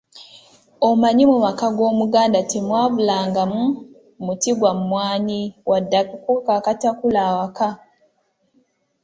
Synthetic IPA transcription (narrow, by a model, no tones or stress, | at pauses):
omaɲimumakaɡo̞ːmuɡaːndatimwaːβulaːŋɡamu | mutiɡwamumwaːɲiwadːakukukakatakulawaka